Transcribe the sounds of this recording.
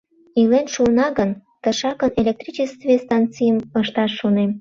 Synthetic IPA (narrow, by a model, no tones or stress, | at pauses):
ilenʃunɑɡənt̪əʃɑkənelʲek̚t̪ɾit͡ɕest̪vest̪ɑnt͡sijəməʃt̪ɑʃːunem